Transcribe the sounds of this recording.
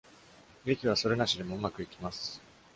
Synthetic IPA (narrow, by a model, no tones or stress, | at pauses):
ɡekʲiβ̞aso̞ɾe̞naɕid̪e̞mo̞ɯ̟makɯ̟ikʲimasɨ̥